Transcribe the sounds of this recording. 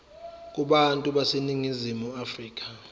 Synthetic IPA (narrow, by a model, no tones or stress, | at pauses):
k̬ʼuɓantʼuɓaseniŋizimuafriːk̬ʰʼa